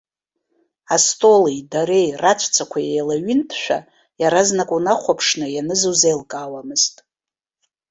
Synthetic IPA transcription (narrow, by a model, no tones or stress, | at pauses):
astʼolijdaɾe̞jrat͡ʃʷʰt͡sʰakʷʰajejlaɥɪntʰʃʷᶣa̰ | jaɾaznakʷʼunaχʷapʰʂnɨjanɨzuzejlkʼawamɨztʼ